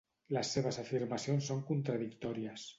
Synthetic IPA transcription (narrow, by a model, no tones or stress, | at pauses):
ləsːeβ̞əzafiɾmasionsːoŋkunt̪ɾaðikt̪ɔɾiəs